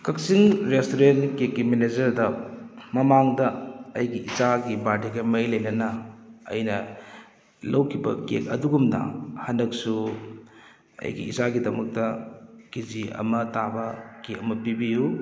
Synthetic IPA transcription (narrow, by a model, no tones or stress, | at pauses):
kɐk̚siŋɾestoɾentkekːimened͡ʒɐɾdɐmɐmaŋdɐɐjɡiizaɡibadiɡɐmɐjlɐjnɐnɐɐ̰jnɐ | lɐwkʰibɐ̰kḛkɐ̰duɡumnɐ̰hɐndɐk̚su | ɐ̰jɡḭḭzaɡidɐmɐk̚tɐkiziɐ̰mɐtabɐkekɐmɐpibiju